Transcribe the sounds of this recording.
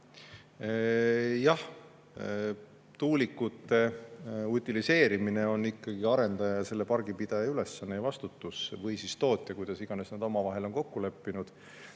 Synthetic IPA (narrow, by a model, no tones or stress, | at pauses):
jɑh | t̪uːlikːut̪ːe̞ut̪ʲːˑilise̞ːɾimine̞o̞nːikːɑɡ̥iɑɾe̞nd̪̥ɑjɑɑse̞lːe̞pɑrɡ̥ipid̪̥ɑjɑyle̞sːɑnːejvɑst̪ut̪ːˑusvɤjsist̪o̞ːt̪ʲːˑekujd̪̥ɑsiɡ̥ɑne̞snɑd̪̥o̞mɑvɑɦe̞lo̞nko̞kːule̞pːinud̪̥